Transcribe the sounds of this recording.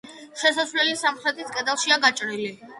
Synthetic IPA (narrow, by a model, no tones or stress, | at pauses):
ʃɛsasvlɛlisamχɾɛt̪ʼiskʼɛd̪alˠʃiaɡat͡ʃʼɾili